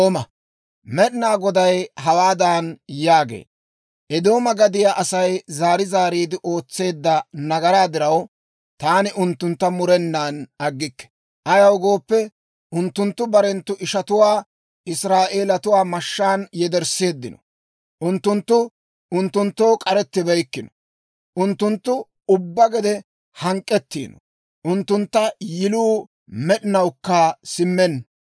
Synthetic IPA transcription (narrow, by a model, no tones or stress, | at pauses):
oːmɐ | mɛɗɪnaːɡɔd̪ɐjɦɐwaːd̪aːnjaːɡḛːd̪ | ʔɛd̪o̞ːmɐɡɐd̪ɪjaʔɐsɐjzaːɾɪzaːɾiːd̪ɪʔo̞ːt͡sːe̞ːd̪ːɐnɐɡɐɾaːd̪ɪɾɐw | t̪aːnɪʔʊnt̪ːʊnt̪ːɐmʊɾɛnːaːnɐɡːɪkːɛ̥ | ʔɐjɐwɡo̞ːpːɛ | ʔʊnt̪ːʊnt̪ːʊbɐɾɛnt̪ːʊʔɪʃɐt̪ʊwaː | ɪsɾaːʔe̞ːlɐt̪ʊwaːmɐʃːaːnjɛd̪ɛɾse̞ːd̪ːɪnɔ̥̰ | ʔʊnt̪ːʊnt̪ːʊ | ʊnt̪ːʊnt̪ːo̞ːkʼɐɾɛt̪ːɪbɛjkːɪnɔ̥ | ʔʊnt̪ːʊnt̪ːʊ | ʊbːɐɡɛd̪ɛ | hɐŋkʼːɛt̪ːḭːnɔ̰ | ʔʊnt̪ːʊnt̪ːɐjɪluː | mɛɗɪnɐwkːasɪmːɛn